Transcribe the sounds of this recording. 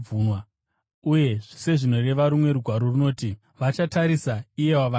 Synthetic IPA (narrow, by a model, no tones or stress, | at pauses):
uːnwa | uje̞ʐ̥ise̞ʐino̞re̞ʋaɾumwe̞ɾuɡʱwaɾo̞runo̞ːti | ʋat͡ʃataɾisaije̞waʋa